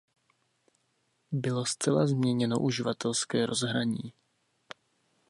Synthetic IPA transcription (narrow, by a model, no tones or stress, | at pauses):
bɪlo̞st͡sɛlazmɲɛɲɛno̞̰ʔuʒɪvat̪ɛlskɛːɾo̞zɦɾaɲiː